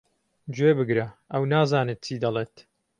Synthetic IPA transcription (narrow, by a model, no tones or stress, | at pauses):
d͡ʒwebɨɡɾɐʔɐwnaːzaːnɨt̪̚t͡ʃiːd̪ɐleːt̪